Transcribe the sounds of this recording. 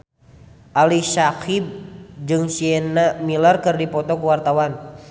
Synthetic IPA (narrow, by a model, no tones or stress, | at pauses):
ʔalisakib̚d͡ʒɨŋsiɛnamilərkɨrdipɔt̪ɔkuwart̪awan